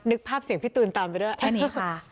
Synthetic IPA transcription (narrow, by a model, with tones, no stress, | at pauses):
nɯ˦˥k̚pʰːaː˥˩p̚si˩˦əŋpʰi˦˥t̪ːuː˧nt̪aː˧mpa˧˦dɯ˥˩t͡ɕʰːniːkʰa˥˩